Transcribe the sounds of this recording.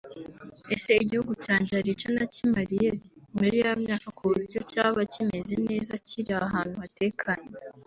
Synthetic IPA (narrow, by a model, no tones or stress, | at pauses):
ese̞iɟihuɡucaːɲɟaɾiconacimaɾijemuɾijaβamɲaːkakuβuzicocaːβacime̞ze̞ne̞ːzaciɾiaɦaːnhuβate̞ːkʰaɲe